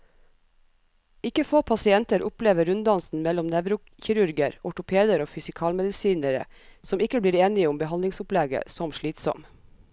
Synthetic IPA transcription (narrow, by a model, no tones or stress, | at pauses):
ɪkəfoːpʰɑsɪɛnt̪əɾʔʊpleːʋəɾʉnd̪ɑnsn̩mɛlɔmnɛʋɾʊ | çɪɾʉɾɡəɾɔʈʊpʰeːd̪əɾoːfʏsɪkʰɑːlmɛd̪ɪsiːnəɾə̰sɔmɪkəbliːɾeːnɪʊmbəhɑnlɪŋsʊplɛɡə̰sɔmʃɭiːt̪sɔ̰m